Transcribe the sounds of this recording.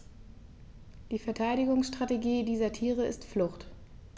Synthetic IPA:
d̥iːfɛɐtʰaɪɾɪɡʊŋsʃtʁ̥ateɡiːdiːzɐtʰiːʁ̞əɪstflʊχt

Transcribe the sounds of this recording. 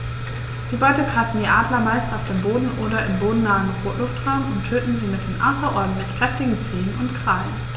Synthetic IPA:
d̥iːbaɪtəkʁatn̩diːʔaːdlɐmaɪstaʊfd̥eːmboːdn̩ʔoːɾɐʔɪmboːdn̩naːənfoːɐlʊftʁ̥aʊmʊntʰøːtn̩ziːmɪt̚d̥eːnʔa̰sɐʔɔɐdn̩tlɪçpʁ̥ɛftɪɡŋ̩t͡seːənʊntkʁ̥aːlən

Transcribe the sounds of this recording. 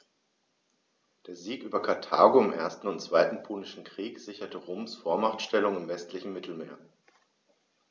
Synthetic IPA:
d̥eːɐziːkʔyːbɐkʰaɐtʰa̰ːɡoɪmʔḛːɐstn̩ʊntt͡sv̥aɪtn̩pʰoːnɪʃn̩kʁ̥iːkz̥ɪçɐtəʁoːmsfoːɐmaχtʃtɛlʊŋɪmvɛstʰlɪçn̩mɪtʰl̩meːɐ

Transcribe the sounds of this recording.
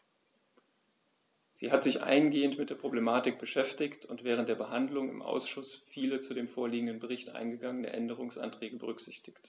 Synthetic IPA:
z̥ḭːɦatz̥ɪçʔa̰ɪənɡeːəntmɪt̚d̥eːɐpʁ̥oblemaːtɪk̚b̥əʃɛftɪktʰʊntv̥ɛːʁ̞ənt̚d̥eːɐbəɦandlʊŋɪ̰mʔa̰ʊsʃʊsfiːlət͡sudeːmfoːɐliːɡŋ̩dənbəʁ̞ɪçtʔa̰ɪnɡəɡaŋənə̰ʔɛndəʁ̞ʊŋsʔa̰ntʁ̥ɛːɡəbəʁ̞ʏkz̥ɪçtɪçt

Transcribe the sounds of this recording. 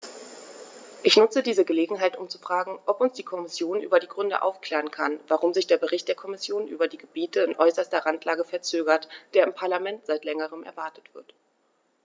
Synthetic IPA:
ʔɪçnʊt͡sədiːzəɡəleːɡŋ̩ɦaɪtʊmt͡su̥fʁ̥aːɡŋ̩ʔɔpʊnsd̥iːkʰɔmɪsjoːnʔyːbɐdiːɡʁʏndə̰ʔa̰ʊfkl̥ɛːʁənkʰanvaʁʊmzɪçd̥eːɐbəʁɪçtd̥eːɐkʰɔmɪsjoːnʔy̰ːbɐdiːɡəbiːtəɪnʔɔʏsɐstɐʁantlaːɡəfɛɐt͡søːɡɐtd̥eːɐɪmpʰaɐlamɛntz̥aɪtlɛŋəʁ̞əmʔɛ̰ɐvaɐtə̥tv̥ɪɐt

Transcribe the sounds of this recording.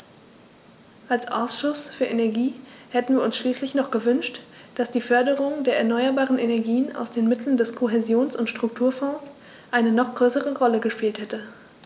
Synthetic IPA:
ʔalsʔa̰ʊsʃʊsfyːɐʔenɛɐɡiːhɛtn̩viːɐʊnsʃliːslɪçnɔχɡ̥əvʏnʃtd̥asd̥iːfœɐdəʁʊŋdeːɐɛɐnɔʏɐbaːʁənʔenɛɐɡiːənʔa̰ʊsd̥eːnmɪtʰl̩n̩dɛskʰoɦezjoːnsʊntʃtʁ̥ʊk̚tʰuːɐfɔ̃ːs | ʔaɪnənɔχɡ̥ʁøːsəʁəʁɔləɡəʃpiːlthɛtə

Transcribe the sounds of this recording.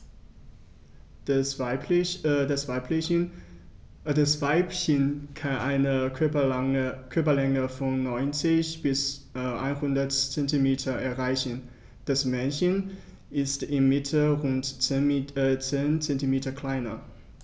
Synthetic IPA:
dasv̥aɪpʰlɪ | dasv̥aɪpçənkʰanʔaɪnə | kʰœɐpɐlɛŋəfɔnːɔʏnt͡sɪçb̥ɪsʔa̰ɪnhʊndɐtt͡sɛntimeːtʰɐɛɐʁaɪçən | d̥asmɛnçən | ʔɪstɪmːɪtʰəʁʊnt | t͡seːnt͡sɛntimeːtɐkʰl̥aɪnɐ

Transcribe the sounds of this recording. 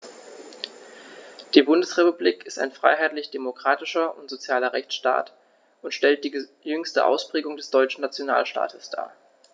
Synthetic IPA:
d̥iːbʊndəsʁepubliːkɪsta̰ɪnfʁ̥a̰ɪɦaɪtlɪçd̥emokʁ̥aːtɪʃɐʊntz̥ot͡sjaːlɐʁɛçt͡sʃta̰ːt | ʔʊntʃtɛlt̚d̥iː | jʏŋstə̰ʔa̰ʊspʁ̥eːɡʊŋdɛsd̥ɔʏt͡ʃn̩nat͡sjona̰ːlʃta̰ːtʰəsd̥a̰ː

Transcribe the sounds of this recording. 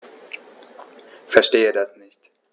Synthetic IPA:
fɛɐʃteːədasnɪçt

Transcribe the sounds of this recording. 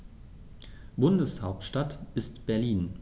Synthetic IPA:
b̥ʊndəshaʊp̚tʃtatʔɪstb̥ɛɐliːn

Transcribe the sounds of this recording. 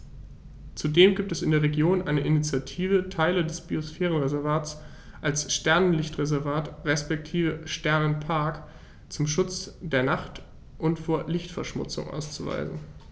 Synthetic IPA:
t͡sudeːmɡiːp̚tɛsɪndeːɐʁ̞eɡjoːnʔaɪnəʔɪnit͡sjatʰiːvətʰaɪlədɛsb̥iosfɛːʁ̞ənʁezɛɐvaːs | ʔalsʃtɛɐnənlɪçtʁ̥ezɛɐvaːtʁɛspɛk̚tʰiːvəʃtɛɐnənpʰaɐk | t͡sʊmʃʊt͡sd̥eːɐnaχt | ʔʊntfoːɐlɪçtfɛɐʃmʊ̰t͡sʊ̰ŋʔa̰ʊst͡suva̰ɪzn̩

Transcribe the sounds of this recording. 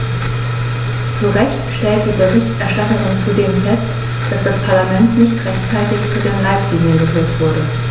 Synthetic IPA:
t͡suʁɛçtʃtɛlt̚d̥iːbəʁɪçtʔɛɐʃtatəʁʊŋt͡sudeːmfɛst | d̥asd̥aspʰaɐlamɛntnɪçtʁɛçt͡saɪtɪçt͡sudeːɐnlaɪtʰliːŋənɡəfyːɐtv̥ʊɐdə

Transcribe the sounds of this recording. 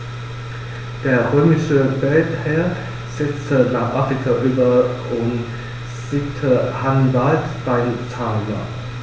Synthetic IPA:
d̥eːɐʁøːmɪʃəvɛlthɛɐ | z̥ɛt͡stʰənaːχʔafʁ̥ikʰaʔyːbɐʊn | z̥itʰəhanvaltb̥aɪmt͡sʰaːɡa̰

